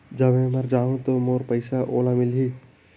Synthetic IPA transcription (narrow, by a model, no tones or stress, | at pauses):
d͡ʒɐbmẽməɾd͡ʒaːɦũt̪omoːɾpəɪsaʔoːlamɪlɦiː